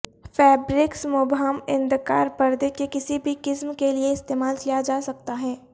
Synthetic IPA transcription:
fɛːbɾɪksmʊbɦamɪ̃nd̪ka̰ːɾpɐɾd̪ekekɪsibʱikɪsmkelieɪst̪eːmaːlkijad͡ʒaːsɐk̚t̪aɦɛː

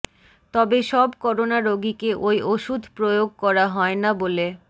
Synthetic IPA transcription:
t̪ɔbeʃɔbkɔɾonaɾoɡikeʔojʔoʃud̪ʱpɾojoɡ̚kɔɾaɦɔenabole

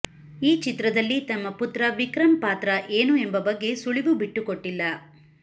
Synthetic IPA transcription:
iːt͡ʃit̪ɾɐd̪ɐlːit̪ɐmːɐput̪ɾɐʋikɾɐmpaːt̪ɾɐʔeːnue̞mbɐbɐɡːe̞suɭiʋubiʈːukoʈːilːɐ

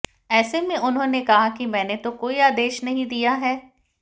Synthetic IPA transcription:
ɛːsemẽʔʊnɦõːnekɐɦakimɛ̃ːnet̪okoːiaːd̪eːʃnɐɦĩd̪ijaɦɛː

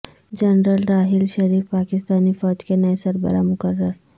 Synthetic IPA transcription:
d͡ʒɐnɾəlɾaːɦɪlʃɐɾiːfpaːkɪst̪aːnifɔːd͡ʒkenɐesɐɾbə̰ɾamʊkərːəɾ

